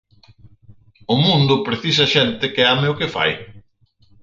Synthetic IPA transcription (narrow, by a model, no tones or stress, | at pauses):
ʊmũnd̪ʊpɾeθis̬ɐʃɛnt̪ɪkɪameʊkɪfa̰j